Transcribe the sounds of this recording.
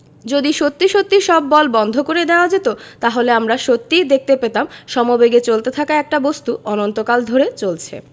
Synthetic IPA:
d͡ʑod̪iʃot̪ːiʃot̪ːiʃɔbːɔlbɔnd̪ʱokoɾed̪ɛoad͡ʑet̪ot̪aɦoleamɾaʃot̪ːid̪ek̚ʰt̪epet̪amʃɔmobeɡet͡ɕolt̪et̪ʰakaɛk̚ʈabost̪uʔɔnont̪okald̪ʱoɾet͡ɕolt͡ɕʰḛ

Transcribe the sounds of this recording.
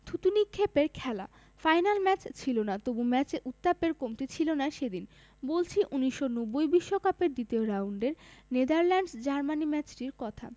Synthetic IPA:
t̪ʰut̪unikʰːepeɾkʰɛla̰ | fajnalmɛt͡ɕt͡ɕʰilonat̪obumɛt͡ɕeʔut̪ːapeɾkomt̪et͡ɕʰilonaʃed̪in | bolt͡ɕʰiʔuniʃːonɔbːojbiʃːokapeɾd̪it̪eoɾawuɳɖeɾned̪aɾlɛɳɖsd͡ʑaɾmanimɛt͡ɕʈiɾkɔt̪ʰa̰

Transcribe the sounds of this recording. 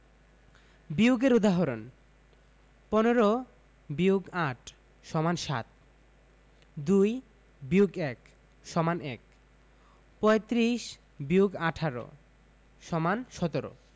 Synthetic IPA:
biuɡeɾud̪aɦoɾon | pɔneɾo | biuɡaʈʰ | ʃɔmanʃa̰t̪̚ | d̪uj | biuɡɛk | ʃɔmanɛ̰k̚ | pɔet̪ɾiʃ | biuɡaʈʰaɾo̰ | ʃɔmanʃɔt̪oɾo̰

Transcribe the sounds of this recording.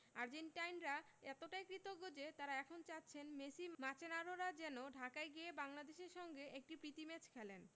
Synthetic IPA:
aɾd͡ʑeɳʈajnɾaɛt̪oʈajkɾit̪oɡod͡ʑet̪aɾaɛkʰont͡ɕatːɕʰenmesimat͡ɕenaɾoɾad͡ʑɛnoɖʱakaeɡiebaŋlad̪eʃeɾʃɔŋɡeʔek̚ʈipɾit̪imɛt͡ɕkʰɛlen

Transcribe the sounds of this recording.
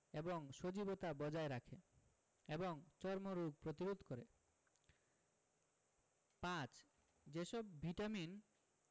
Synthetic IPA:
eboŋʃod͡ʑibot̪abɔd͡ʑaeɾakʰe | eboŋt͡ɕɔɾmoɾuɡ̚pɾot̪iɾud̪ʱkoɾe | pãt͡ɕ | d͡ʑeʃɔbːʱiʈamin

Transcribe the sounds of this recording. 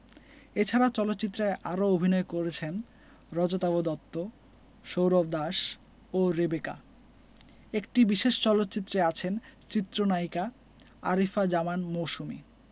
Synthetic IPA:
et͡ɕʰaɾat͡ɕɔlot̪ːɕit̪ːɾaeʔaɾoobʱinɔekoɾet͡ɕʰen | ɾɔd͡ʑot̪abod̪ɔt̪ːo | ʃowɾobd̪aʃ | oɾebeka̰ | ekʈibiʃeʃt͡ɕɔlot̪ːt͡ɕit̪ːɾeat͡ɕʰent͡ɕit̪ːɾonaika | a̰ɾifad͡ʑamanmoʃumḭ

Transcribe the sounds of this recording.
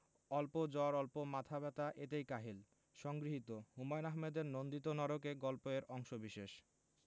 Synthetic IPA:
ɔlpod͡ʑɔɾɔlpomat̪ʰabɛt̪aʔet̪ejkaɦil | ʃɔŋɡɾiɦit̪ohumɔjnaɦmed̪eɾnond̪it̪onɔɾokeɡɔlpoeɾɔŋʃobiʃeʃ

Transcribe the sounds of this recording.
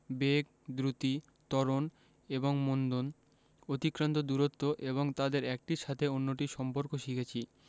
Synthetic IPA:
bek̚ | d̪ɾut̪i | t̪ɔɾon | eboŋmond̪on | ot̪ikɾant̪od̪uɾot̪ːoʔeβoŋt̪ad̪eɾɛk̚ʈiʃat̪ʰeonːoʈiʃɔmpoɾkoʃikʰet͡ɕʰi

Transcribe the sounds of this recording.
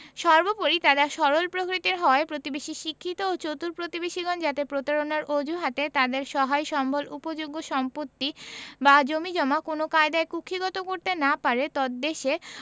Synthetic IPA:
ʃɔɾbopoɾit̪ad̪aʃɔɾolpɾokɾit̪iɾɦɔepɾot̪ibeʃiʃikʰːit̪oot͡ɕot̪uɾpɾot̪ibeʃiɡɔnd͡ʑat̪epɾot̪aɾonaɾod͡ʑʱuɦat̪et̪ad̪eɾʃɔɦaeʃɔmbʱolupod͡ʑoɡːoʃɔmpot̪ːibad͡ʑomid͡ʑɔmakonokaed̪aekukʰiɡɔt̪okoɾt̪enapaɾet̪ɔd̪d̪eʃe

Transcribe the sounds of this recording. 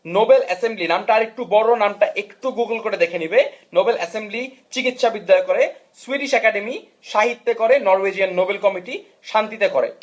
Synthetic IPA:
nobelɛsemblinamʈaaɾek̚ʈubɔɾonamʈaʔekʈuɡuɡlkoɾed̪ekʰenibenobelɛsembli | t͡ɕikit̪ʃabid̪ːajokːoɾesuiɖiʃɛkaɖemi | ʃaɦit̪ːekoɾenɔɾwed͡ʑianːobelkɔmiʈi | ʃant̪it̪ekoɾḛ

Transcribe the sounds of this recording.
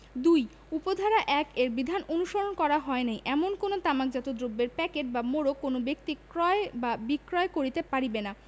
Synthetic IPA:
d̪uj | upod̪ʱaɾaʔɛkeɾbid̪ʱanonuʃoɾonkɔɾaɦɔenejʔɛmonkonot̪amakd͡ʑat̪od̪ɾobːeɾpɛkeʈ̚bamoɾokonobekt̪ikɾɔebabikɾɔekoɾit̪epaɾibena

